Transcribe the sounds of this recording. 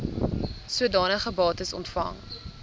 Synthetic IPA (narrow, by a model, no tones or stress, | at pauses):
suədɑːnəχəbɑːtəsɔ̰ntfɐ̰ŋ